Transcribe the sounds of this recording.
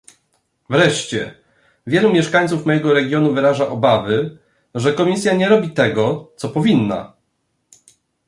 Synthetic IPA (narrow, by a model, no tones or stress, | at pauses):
vɾɛʂt͡ɕɛ | vʲjɛlumʲjɛʂkaɲ̃t̪sufmɔjɛɡɔɾɛɡʲjɔnuvɘɾaʐaʔɔbavɘ | ʐɛkɔmʲisʲjaɲɛɾɔbʲit̪ɛɡɔt̪sɔpɔvʲinːa̰